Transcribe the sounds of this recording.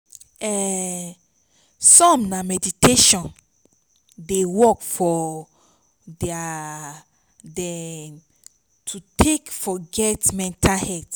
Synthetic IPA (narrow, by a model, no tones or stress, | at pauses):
ɛ | sɔ̃mnamɛditeʃɔ̃n | dewɔkfɔ | dɛa | dɛ̃m | tʰutʰekfɔɡɛtmɛ̃ntʰalhɛt